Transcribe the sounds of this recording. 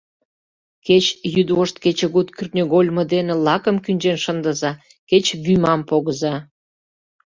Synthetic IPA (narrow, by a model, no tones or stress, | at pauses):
ket͡ɕjyd̪oʃt̪ket͡ɕeɣut̪kʲyrnʲeɣolʲməd̪enĕlɑkə̆mkynʲd͡ʒenʃənd̪əzɑ | ket͡ɕβymɑmpoɣəzɑ